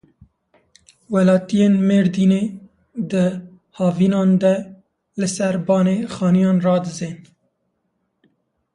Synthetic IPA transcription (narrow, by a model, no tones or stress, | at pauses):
wɛlɑːt̪ijeːnmeːɾd̪iːneː | d̪ɨ | hɑːviːnɑːnd̪ɛ | lɨsɛɾbɑːneːxɑːnijɑːnrɑːd̪ɨzeːn